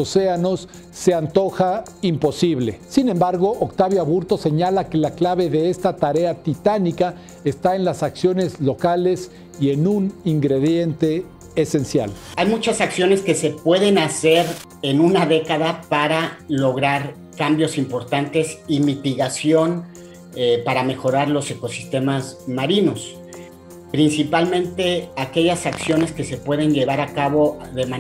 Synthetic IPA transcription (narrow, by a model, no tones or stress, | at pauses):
ose̞ano̞sː | e̞ant̪o̞xa | impo̞siβle̞̰sinẽ̞mbaɾɣo̞ʔokt̪aβjoaβuɾt̪o̞se̞ɲalake̞laklaβe̞ðe̞est̪at̪aɾe̞at̪it̪anika | est̪ae̞nlasaksjo̞ne̞zlo̞kale̞s | ie̞nũniŋɡɾe̞ðje̞nt̪e̞ː | se̞nsja̰l | ajmut͡ʃasaksjo̞ne̞ske̞se̞pwe̞ðe̞nase̞ɾ | e̞nũnaðe̞kaðapaɾalo̞ɣɾaɾ | kambjo̞simpo̞ɾt̪ant̪e̞simit̪iɣasjo̞n | epaɾame̞xo̞ɾaɾlo̞se̞ko̞sist̪e̞mazmaɾino̞s | pɾinsipalmẽ̞nt̪e̞ake̞ʝasaksjo̞ne̞ske̞se̞pwe̞ðe̞nʝe̞β̞aɾakaβo̞ðema